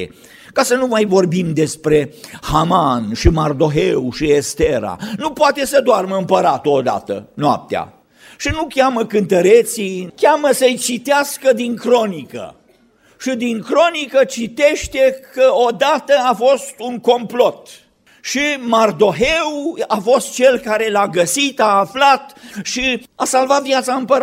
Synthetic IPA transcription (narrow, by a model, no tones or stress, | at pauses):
e | kasənumajvo̞rbimd̪e̞spɾe̞hamanʃimard̪o̞ɦewuʃiest̪eɾa̰nupoat̪e̞səd̪oarməɨmpəɾat̪ood̪a̰t̪ə̰noa̰p̚t̪ea̰ | ʃinukʲaməkɨnt̪əɾet̪sikʲaməsəjt͡ʃit̪easkəd̪iŋkɾo̞nikə̰ | ʃid̪iŋkɾo̞nikət͡ʃit̪eʃt̪ekəod̪at̪əafo̞st̪uŋko̞mplot̪ | ʃimard̪o̞ɦewafo̞st̪̚t͡ʃe̞lkaɾe̞laɡəsit̪aːflat̪ʃiasalvat̪vjat̪saɨmpəɾ